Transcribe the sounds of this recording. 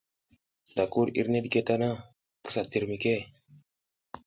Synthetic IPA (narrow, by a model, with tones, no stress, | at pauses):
da˨ku˦ɾḭ˦ɾne˦dke˦ta˦na˦ | kə̥˦sa˨ti˨ɾmi˨ke˦